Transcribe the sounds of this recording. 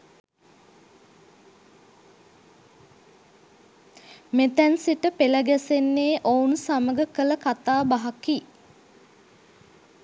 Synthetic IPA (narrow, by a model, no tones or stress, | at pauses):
met̪ænsiʈəpeləɡæsenːeːʔounsaməɡəkələkat̪aːbaɦaki